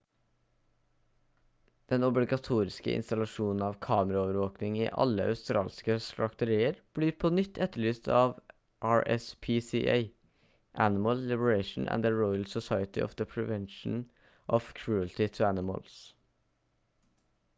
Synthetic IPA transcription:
d̪̥ɛnɔblɪɡɑt̪ʰuːɾɪskə̰ʔɪ̰nst̪ɑlɑʃuːnn̩ɑːʋkʰɑːməɾɑoːʋəɾʋoːknɪŋḭːʔɑ̰ləʔɑ̰ʉst̪ɾɑ̰ːlskəst̪ɾɑkt̪əɾiːəɾb̥liːɾpʰoːnʏt̪ʰːɛt̪ːəɭyːst̪ʰɑːʋ | ʔɑːɹʔɛ̰spʰiːsiːʔḛɪ | ʔænɪməllɪbəɹeɪʃn̩ʔæ̰nd̪əɹɔʏlsɔsɑɪət̪ɪʔɔ̰fd̪əpʰɹɛʋɛnʃn̩ | ʔɔfkʰɹuːəlt̪ɪt̪ʰʉænɪmə̰ls

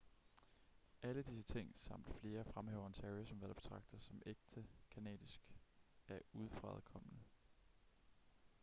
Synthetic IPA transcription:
ʔæləd̥is̬ət͡sʰe̝ŋ̰sɑ̈m̰d̥fle̝ːɐfʁamhɛːʊɐnt͡sʰæisɒ̽mʋæɐb̥e̝̥t͡sʰʁɑ̈ɡ̥̚d̥ɐsɒ̽mʔeɡ̥̚d̥əkʰænɛ̰ːðˠisɡ̥æɐuð̞ˠfʁɑ̰̈ːðˠkʰɒ̽m̰nə

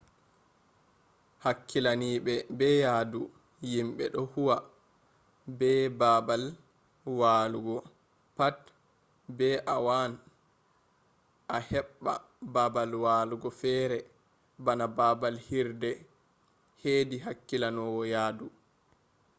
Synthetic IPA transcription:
hakːilaniːɓɛbɛjaːdu | jimɓɛ̰ɗɔhuwa | bɛbabal | waːluɡɔ | pat | bɛʔawan | ʔahɛɓːa̰ | babalwaːluɡɔfɛːɾɛ | banababalhiɾdɛ | hediɦakːilanɔwɔjaːdu

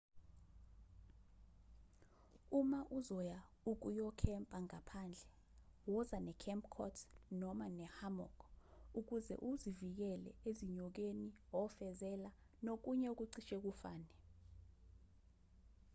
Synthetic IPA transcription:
umaʔuzɔja | uk̬ujɔkʰɛmpʼaŋapʰand͡ɮʱɛ | wɔzanɛkʰɛmpʰʼkʰɔ̰tʰnɔmanɛhamɔ̰kʰuk̬uzɛ̰ʔuzivik̬ɛlɛ̰eziɲɔk̬eniɔfɛzɛla | nok̬uɲɛuk̬ʼuǀiʃɛk̬ufaːnɛ

